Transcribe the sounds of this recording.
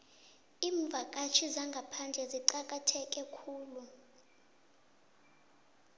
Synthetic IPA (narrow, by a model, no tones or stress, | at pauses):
iːɱvʱak̬ʼat͡ʃʰizaŋɡʱapʰand͡ɮʱɛziǃak̬ʼatʰɛk̬ʼɛkʰuːlu